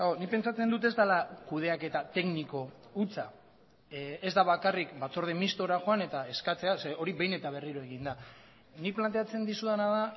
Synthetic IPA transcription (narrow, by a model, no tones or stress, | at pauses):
aonipe̞nt͡sat͡se̞nd̪ut̪̬e̞zd̪alakuð̞e̞ake̞t̪at̪e̞kniko̞ut͡sa | e̞zd̪aβakarikbat͡so̞ɾð̞emist̪o̞ɾaxo̞ane̞t̪ae̞skat͡se̞ase̞o̞ɾiβejne̞t̪aβ̞e̞riɾoe̞ɣind̪a | nik̚plant̪e̞at͡se̞nd̪isuðanaða